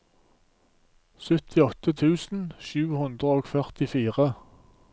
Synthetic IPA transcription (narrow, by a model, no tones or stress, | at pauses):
sœt̪ʰɪɔt̪ət̪ʰʉːsn̩ʃʉːhʉnd̪ʁəoːɡfœʁt̪ɪfiːʁə